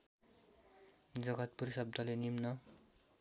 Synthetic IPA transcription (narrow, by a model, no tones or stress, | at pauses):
d͡zʌɡʌt̪̚pursʌb̚d̪ʱʌlenimnʌ